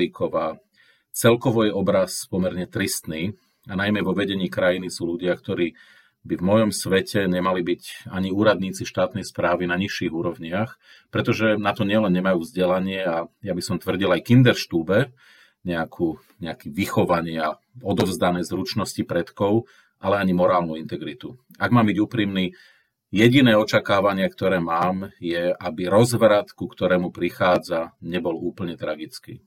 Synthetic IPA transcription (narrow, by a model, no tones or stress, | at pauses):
ikʰɔʋaː | t͡sɛlkɔʋɔjɛɔbɾaspɔmɛɾɲɛt̪ɾist̪niː | anajmɛʋɔʋɛɟɛɲiːkɾajinisuːluɟɪakt̪ɔɾiː | bivmɔjɔmsʋɛcʰɛɲɛmalibicaɲiuːɾad̪ɲiːt͡siʃt̪aːt̪nɛjspɾaːʋinaɲiʃːiɣuːɾɔʋɲɪax | pɾɛt̪ɔʒɛnat̪ɔɲɪɛlɛnɲɛmajuːvzɟɛlaɲɪɛajabisɔmt̪ʋr̩ɟilajkind̪ɛɾʃt̪uːbɛ | ɲɛakʰuː | ɲɛakiːʋixɔʋaɲɪa | ɔd̪ɔʊzd̪anɛːzɾut͡ʃnɔscipɾɛt̪kɔʊ | ʔalɛaɲimɔɾaːlnuint̪ɛɡɾit̪u | aɡmaːmbiɟuːpɾiːmni | jɛɟinɛːɔt͡ʃakaːʋaɲɪakt̪ɔɾɛːmaːmjɛabiɾɔzʋɾat̪kukt̪ɔɾɛːmupɾixaːd͡zaɲɛbɔluːpl̩ɲɛt̪ɾaɡit͡skḭː